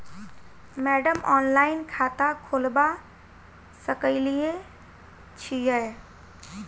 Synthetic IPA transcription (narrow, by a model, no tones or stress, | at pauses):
mɛɖəmɔnlaɪnkʰat̪akʰoːlba | səkəɪlie | t͡ʃʰijɛ